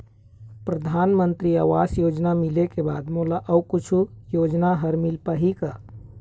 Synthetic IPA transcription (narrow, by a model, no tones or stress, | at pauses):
pɾəd̪ʱanmənt̪ɾiaːʋasjod͡ʒnamilekeba̰d̪molaʔəukut͡ʃʰujod͡ʒnaɦəɾmilpəɦikə